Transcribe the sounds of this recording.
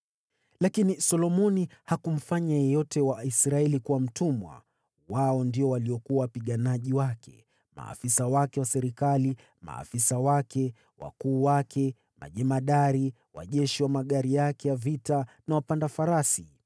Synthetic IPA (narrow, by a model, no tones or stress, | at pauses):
lakinisɔlɔmɔnihakum̩faɲajɛjɔtʰɛwaisɾaɛlikuwam̩tumwa̰ | waɔndiɔwaliɔkuawapiɠanaʄiwakʰɛ̰ | ma̰ːfisawakɛwasɛɾikali | ma̰ːfisawakʰɛ | wa̰kuːwakʰɛ | ma̰ʄɛmaɗaɾi | wa̰ʄɛʃiwamaɠaɾijakɛjavitanawapandafaɾasi